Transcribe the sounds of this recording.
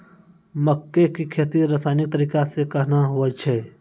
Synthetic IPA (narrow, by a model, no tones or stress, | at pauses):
məkːekikʰeːt̪iɾasaːnɪk̚t̪əɾiːkasekɐɦnaɦuət͡ʃʰɛː